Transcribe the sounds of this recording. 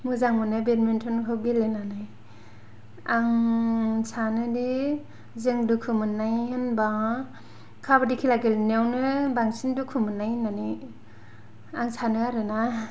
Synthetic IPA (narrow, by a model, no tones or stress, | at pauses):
muzaŋmɯnɯbenmentʰɔnkʰɯwɡilenanaj | aŋ | sʰanɯdi | zɯŋdukʰɯmɯnajhɯnbaŋ | kʰabɯdikʰilaɡelnewnɯbaŋsindukʰumɯnːajnani | aŋsʰanɯaɾɯna